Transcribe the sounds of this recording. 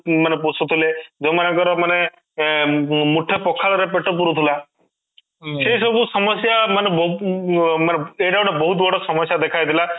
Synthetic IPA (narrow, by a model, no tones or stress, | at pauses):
manep̬osut̪ʰuled͡ʒɔmanekɔɾɔmane | muʈʰepɔkʰːaɾɔɾepeʈːɔpuɾut̪ʰula | seisɔbusɔmɔsjamanebɔ | maneeʈawɽebɔɦut̪bɔɽɔsɔmɔsjad̪ekʰajd̪ila